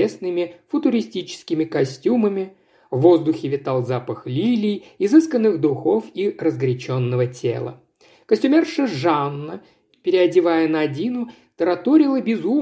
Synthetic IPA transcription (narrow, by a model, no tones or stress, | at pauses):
esnɨmʲɪfʊt̪ʊɾʲɪsʲtʲit͡ɕɪ̥skʲɪmʲɪkɐsʲtʲuməmʲɪ | vo̞zd̪ʊxʲɪvʲɪt̪alˠzapəxlʲilʲɪjɪzɨskənːɨxd̪ʊxo̞firəzɡɾʲɪt͡ɕonːəvətʲḛlˠə̰ | kəsʲtʲʊmʲerʂɨʐanːə | pʲɪɾʲɪɐdʲɪvajənɐdʲinʊ | t̪əɾɐt̪oɾʲɪlˠəbʲɪzu